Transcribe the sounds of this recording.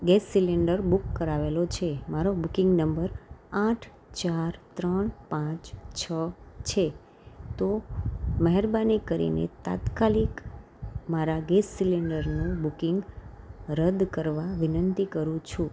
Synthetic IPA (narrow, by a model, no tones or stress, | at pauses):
ɡɛsːiliɳɖəɾbukːəɾaʋelot͡ʃʰemaɾobukɪ̃ŋɡnəmbəɾãʈʰ | t͡ʃaɾt̪ɾəɳpãt͡ʃt͡ʃʰət͡ʃʰe | t̪oməɦɛɾbanikəɾḭnḛt̪a̰t̪kalik | maɾaɡɛsːiliɳɖəɾnũbukɪŋɡ | ɾəd̪kəɾʋaʋɪnənt̪ikəɾũt͡ʃʰũ